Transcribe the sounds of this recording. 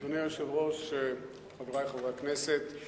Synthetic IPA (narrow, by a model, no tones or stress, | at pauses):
onejoʃevʁoʃe | χaveʁajχoveakneset̪